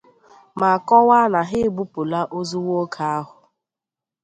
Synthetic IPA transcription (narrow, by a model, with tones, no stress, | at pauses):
ma˨a˨kɔ˦wa˦na˨ɦɪ˦˨bu˦pʊ˨la˦ʔo˦zu˦wo˦kʰa˦a˦ɦʊ˨